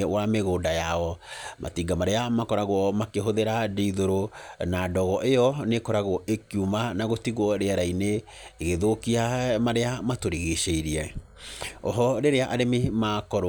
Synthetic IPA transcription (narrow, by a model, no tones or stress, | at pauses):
wameɣoːdajaɔmʔa̰tiɡamaɾeamakɔɾaɣwɔmakeɦoðeɾadiːðoɾonadɔɣɔʔejɔnekɔɾaɣwɔʔekiumanaɣotiɣwɔɾeaɾaineː | ɣeðokiamaɾeamatoɾiɣeʃeiɾiɛ | ɔ̰ɦɔɾeɾeaʔaɾememakɔɾ